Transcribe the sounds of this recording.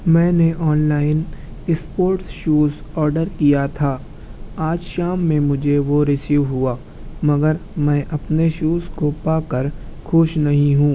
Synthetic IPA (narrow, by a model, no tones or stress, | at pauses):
mɛ̃ːneʔɔːnlaːɪn | ɪspoːɾʈsʃuːzɔːɾɖəɾkijat̪ʰaː | aːd͡ʒʃaːmːẽmʊd͡ʒʱeʋoɾɪsiːʋɦʊaː | mɐɡəɾmɛ̃ːʔɐpneʃuːskopaːkɐɾkʰʊʃnɐɦĩɦũː